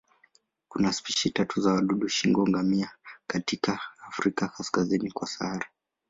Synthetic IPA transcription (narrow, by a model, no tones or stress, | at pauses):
kunaspiʃitatuzawaɗuɗuʃiŋɡɔŋɡamiakatikaːfɾikakaskazinikwasa̰ɾa